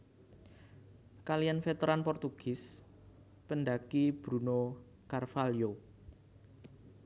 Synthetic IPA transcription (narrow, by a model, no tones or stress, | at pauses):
kalijanfet̪eɾanpɔrt̪uɡ̥ɪs | pənɖakib̥ɾuno | karfaljo